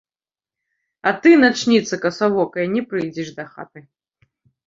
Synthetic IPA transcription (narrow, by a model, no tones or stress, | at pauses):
ɐt̪ɨnat͡ʂnʲit̪sɐkɐsavɔkɐjɐnʲɛpɾɨjd͡zʲɛʂd̪ɐxa̰t̪ɨ